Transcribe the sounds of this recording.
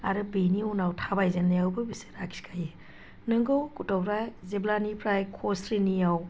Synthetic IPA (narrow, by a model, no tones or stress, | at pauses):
aɾɯbeniunawtʰabajzenːajawbɯbise̥ɾakskʰaje | nɯŋɡɯwkutɔwpʰɾajzeblanipʰɾajkʰosɾinijaw